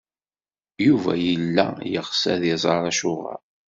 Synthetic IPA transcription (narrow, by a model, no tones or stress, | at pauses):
juvæ̰jəlːæjəʁsæðɪzˤɑɾˤɑʃʊʁɑ̰ɾ